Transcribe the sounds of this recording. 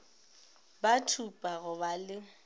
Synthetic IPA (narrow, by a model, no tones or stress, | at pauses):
batʰupʼaɣʊbalɪ